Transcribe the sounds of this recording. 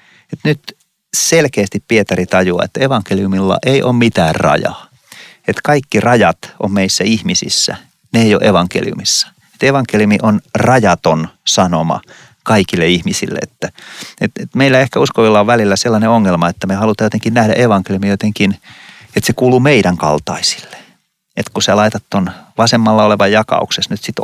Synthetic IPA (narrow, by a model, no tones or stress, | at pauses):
et̪nyt̪ | selkeːst̪ippiet̪ɑrit̪ɑjuɑ̰et̪ːeʋɑŋkeliumilːɑ̰ʔeiʔo̰ːmmit̪æːrrɑ̰jɑ̰ː | et̪kɑikːirɑjɑt̪ommeisːæihmisḭsːæ̰ | neeijo̰ʔeʋɑŋkḛlḭṵmisːɑ̥ | et̪eʋɑŋkeliumiʔonrɑjɑt̪onsɑnomɑ̰ | kɑikilːeihmisḭlːḛet̪ːæet̪et̪meilːæehkæuskoʋilːɑoʋʋælilːæselːɑneoŋːelmɑet̪ːæmehɑlut̪ɑjot̪eŋkinnæhdæ̰ʔeʋɑŋkelijumijot̪eŋkin | et̪sekuːluːmeiɾæŋkɑ̰lt̪ɑ̰isi̥lːe̥ | et̪kuselɑit̪ɑt̪t̪onʋɑsemːɑlːɑoleʋɑjjɑkɑ̰ṵksesnyt̪sit̪